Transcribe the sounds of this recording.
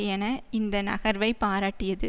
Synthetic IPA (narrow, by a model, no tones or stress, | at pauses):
jɛnɐɪnd̪ɐnɐ̰ɣɐɾʋɐɪpaːɾaːʈːɪjɐðɯ